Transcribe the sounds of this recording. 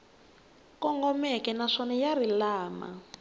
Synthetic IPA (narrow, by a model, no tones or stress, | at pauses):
kɔŋɡɔmɛkɛnaʂɔnɛjaɾilaːma̰